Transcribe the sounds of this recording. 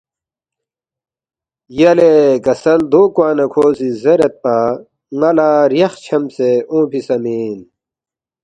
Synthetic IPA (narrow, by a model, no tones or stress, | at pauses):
jɐlekɐsɐld̪oːkwaːnɐkʰoːsizɐɾet̪̚pa | ŋɐlaːɾjɐxt͡ɕʰɐmseõːpʰisɐmiːn